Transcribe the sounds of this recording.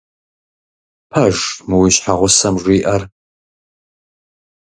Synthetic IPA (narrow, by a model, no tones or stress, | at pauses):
pʰɐʒmɨwiɕħaʁʷʊsɐmʒʷiːʔɐr